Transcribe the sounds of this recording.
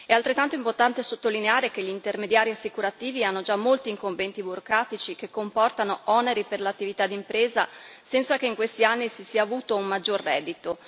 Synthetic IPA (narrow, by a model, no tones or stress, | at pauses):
ɛalt̪ɾet̪ːant̪oimport̪ant̪esot̪ːolineaːɾek̟eʎiːnt̪ermed̪jaːɾiasːikuɾat̪iːvianːod͡ʒamːolt̪iːŋkoɱvɛnt̪ibuɾokɾaːt̪it͡ʃikekːompɔrt̪anoɔneɾiperlat̪ːivit̪ad̪ːimpɾeːza̰sɛnt̪sakeiŋkwest̪ianːisisiaːvuːt̪oummad͡ʒːorːɛːd̪ːit̪o